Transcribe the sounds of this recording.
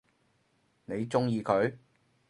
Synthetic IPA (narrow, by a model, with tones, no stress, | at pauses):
ne˨˧jt͡sʊ˥ŋjiː˧kʰɵ˨˧ɥ